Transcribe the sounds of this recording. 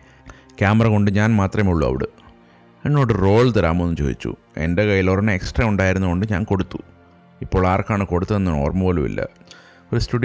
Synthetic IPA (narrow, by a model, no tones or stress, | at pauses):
kʲjaːmɐrɐko̞ɳɖɨɲaːnmaːt̪rɐmuɭːuɐ̰ʋḭɽɨ̰ | enːo̞ːɽɨro̞ːɭt̪ɐɾa̰ːmoenːut͡ɕo̞̰ːd̪ḭt͡ɕːṵ | e̞̰nde̞kɐjːilorɐnːeeksʈrɐuɳɖaːjiɾunːuko̞ɳɖɨɲa̰ːnko̞ɽut̪ːu̥ | ipːo̞ːɭaːrkaːɳɨko̞ɽut̪ːɐenːɨno̞̰ːrmɐpoːlumḭlːɐ̰ | oɾustuɖi